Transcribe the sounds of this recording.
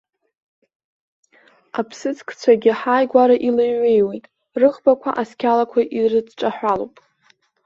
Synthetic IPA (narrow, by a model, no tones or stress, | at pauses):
apʰsɨt͡sʰʼkʰʼt͡sʷʰaɡʲɪħaːjɡʷaɾaʔileɥɥːejwe̞jtʼ | rɨχbakʷʰa̰ʔaskʲʰalakʷʰaʔirɨd͡zʈ͡ʂʼaħʷalowpʼ